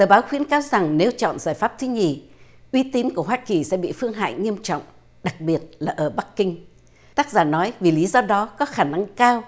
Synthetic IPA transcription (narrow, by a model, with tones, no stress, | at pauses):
t̪əː˨˩ɓaː˨˦wxwi˧˥ənkaː˧wza˨˩ŋne˨˧˦wt͡ɕɔ̰˧˨nzaː˧˩jfaː˦˥p̚t̪ʰwi˨˦ɲi˨˩ʔwi˨˧˦t̪i˨˦nku˧˩əɦwaː˧ki˨˩sɛ̰˧˥ɓḭ˧˨fɨ˧əŋɦa̰ː˧˨jŋi˧əmt͡ɕɔ̰˧˨wŋ͡m | ɗa˨˩k̚ɓi˨˩ət̚laː˨˩ʔəː˧˩ɓa˦˥kːï˧ŋ̟ | t̪aː˦˥t̚zaː˧˩nɔ˨˦jvi˨˩li˨˦zɔ˧ɗɔ˨˦kɔ˨˦xaː˧˩na˧ŋkaː˧w